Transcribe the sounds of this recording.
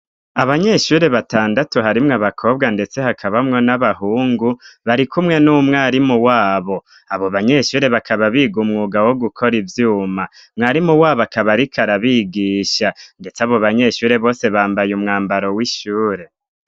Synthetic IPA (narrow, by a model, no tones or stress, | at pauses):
aβaɲe̞ʃuːɾe̞βataːndatuɦaɾimŋaβakʰo̞ːb̚ɡande̞t͡se̞hakʰaβamŋo̞naβahuːŋɡuβaɾikʰumŋe̞numŋaːɾimuwaːβo̞ | aβo̞βaɲe̞ʃuːɾe̞βakʰaβaβiːɡumŋuɡawo̞ɡukʰoɾivjuːma | mŋaːɾimuwaːβakaβaɾikʰaɾaβiːɡiːʃande̞t͡seaβo̞βaɲe̞ʃuːɾe̞βo̞ːse̞βaːmbajumŋaːmbaɾo̞wiʃuːɾe̞